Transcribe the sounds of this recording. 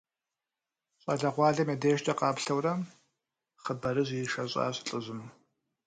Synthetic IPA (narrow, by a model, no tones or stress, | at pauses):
ɕʼɐɮɐʁʷɑːɮɐmɐdeːʃtʼɐqɑːpɬɐwrɐm | χəbɐɾɨʑʷiʂɐɕʼɑ̰ːɕʼɬʼɨʑɪm